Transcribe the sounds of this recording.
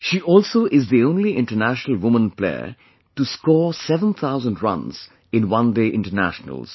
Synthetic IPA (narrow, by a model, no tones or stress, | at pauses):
ʃiʔɔːlsoːʔɪzðiõʊ̃nliʔɪ̃nʈə˞næʃənəl̩ˠwʊmə̃nplḛɪə̰ | ʈuskɔːɹsɛvə̃nt̪ʰaʊzə̃ndɹʌ̰̃nz̥ | ɪ̃nwʌ̃ndeʔɪ̃nʈənæ̰ʃnə̰lz̥